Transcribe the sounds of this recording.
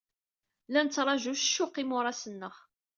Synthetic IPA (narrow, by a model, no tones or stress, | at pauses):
lænət͡sːɾˤɑʒuʃʃːʊqimʊɾˤɑsənːəχ